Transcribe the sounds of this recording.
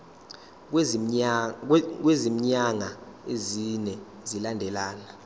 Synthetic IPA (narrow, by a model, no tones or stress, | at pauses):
k̬wezim̩ɲaŋa | ezinɛ | zilandʱɛlaːna